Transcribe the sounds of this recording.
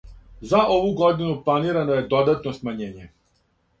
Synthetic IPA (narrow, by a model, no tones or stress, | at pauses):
zaʔoʋuɡod̪inuplˠaniɾanojed̪od̪at̪nosmaɲeːɲɛ